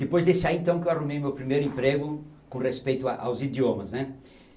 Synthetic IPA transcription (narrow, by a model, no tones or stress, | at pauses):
d̪̥epojzd̪esaiẽnt̪ɐ̃w̃kɪewarumejmewpɾimejɾʊẽmpɾeɡʊ | kõrespejt̪ʊaʔawzid̪jomɐsnɛ